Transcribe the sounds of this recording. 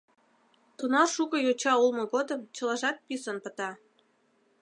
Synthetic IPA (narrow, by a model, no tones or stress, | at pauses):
t̪unɑʃukə̆jot͡ɕɑulˠmɤ̆ɣod̪əmt͡ɕə̆lɑʒɑt̪̚pisənpə̆t̪ɑ